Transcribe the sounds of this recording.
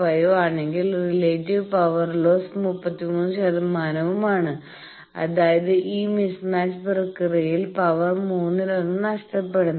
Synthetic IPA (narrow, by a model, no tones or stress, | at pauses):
ʋɐjoaːɳeŋɡilrileːtːiʋpɐʋɐrlo̞ːsmupːɐt̪ːimuːnːɕɐðɐmaːnɐʋumaːɳɨ | ɐ̰ðaːjɐðɨʔiːmisnaːt͡ɕpɨrɐkːɨrɐjilpɐʋɐrmuːnːɨɾɐnːɨnɐʂʈɐpːe̞ɽunː